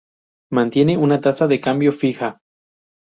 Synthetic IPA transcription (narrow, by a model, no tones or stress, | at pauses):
mãnt̪je̞neunat̪asaðe̞kambjo̞fixa